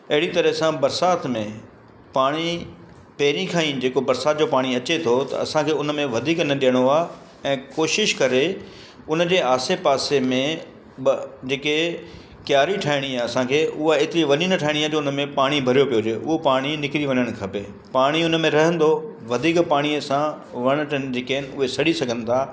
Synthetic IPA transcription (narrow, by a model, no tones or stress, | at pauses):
ɐɦɪɽit̪ɐɾəɦsãbɐɾsaːt̪mẽ | paːɽ̃i | peːɾĩkʰaːĩd͡ʑeːkobɐɾsaːt̪̚d͡ʑopaːɽ̃iɐt͡ɕet̪ʰot̪ɐ̰ɐ̰sãkʰeːʊnə̆mẽʋɐd̪ʱiːknɐɗijəɽ̃oaː | ɛ̃ːkoːʃɪʃkɐɾe | ʊnə̆d͡ʑeːaːsepaːsemẽ | d͡ʑeːke | kjaːɾiʈʰaːɪɽ̃iaːɐsãkʰeːʊɦaeːt̪ɪɾiʋɐɲinɐʈʰaːɦɪɽ̃iaːd͡ʑoːʊnə̆mẽpaːɽ̃ibʱɐɾijopijod͡ʑeːʊɦopaːɽ̃inɪkɪɾiʋɐɲəɽ̃kʰɐpeː | paːɽ̃iʊnəmẽɾɐɦə̃nd̪o | ʋɐd̪ʱiːkpaːɽ̃iəsã | ʋɐɽ̃̆ʈʰən̆d͡ʑeːkeɦɪnɪ̆ʊɦesɐɽ̤isɐɡʱə̃n̆t̪ʰaː